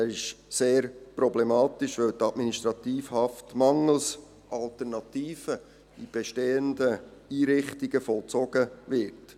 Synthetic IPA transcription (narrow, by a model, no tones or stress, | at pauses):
æɪʃseːɾpɾɔblɛmɑːt̪ɪʃʋœltɑdminiʃtɾɑt̪iːfhɑftmɑŋəl̩s | ʔɑlt̪əɾnɑt̪iːfə | ib̥ɛʃteːəndəiːɾɪχtiɡ̥əfɔlt͡sɔɡəvɪɾt